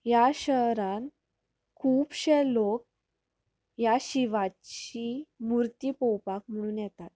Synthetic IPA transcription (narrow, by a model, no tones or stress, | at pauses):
jaɕəɦɾãn | kʰuːpɕɛlok̚ | jaɕiʋat͡ɕimuɾt̪iːpɔwpak̚m̤əɽ̃uːnjɛt̪at̪̚